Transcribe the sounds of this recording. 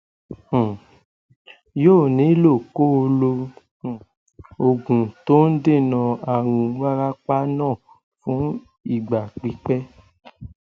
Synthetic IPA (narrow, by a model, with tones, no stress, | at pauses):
joː˦˨nĩ˨˦lo˦˨ko˦o˧lõ˧˨ | o˧ɡũ˨to˦n̩˦de˦˨nã˧a˨ɾ̃ũ˧wa˦ɾa˦k͡pa˦nãː˦˨ | fũ˨˦ | i˦˨ɡ͡ba˨k͡pi˨˦k͡pɛ˦